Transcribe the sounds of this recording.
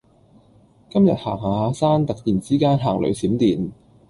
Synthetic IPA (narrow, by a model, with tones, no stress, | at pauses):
kɐ˥mjɐ˨t̚ha̰ː˨˩ŋhaː˨˧aː˧saː˥nt̪ɐ˨k̚t̪iː˨˩nt͡siː˥kaː˥nɦaː˨˩ŋlɵ̰˨˧ɥsiː˨˥mt̪iː˨˩n